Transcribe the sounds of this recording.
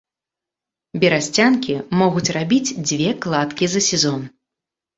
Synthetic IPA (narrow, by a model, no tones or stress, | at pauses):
bʲiɾasʲt͡sʲankʲimɔɣut͡sʲrabʲid͡zʲd͡zʲvʲɛklˠat̪kʲizɐsʲɛzɔn